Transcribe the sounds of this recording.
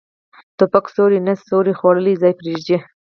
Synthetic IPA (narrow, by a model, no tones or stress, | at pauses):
t̪ʊpaksoɾinasːoɾixwɑɽəlizɑːjpɾiʒd͡ʒe